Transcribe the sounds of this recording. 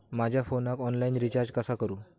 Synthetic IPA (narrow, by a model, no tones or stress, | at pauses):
mad͡ʑʱjafonakɔnlainɾit͡ɕaɾd͡ʑkəsakəɾuː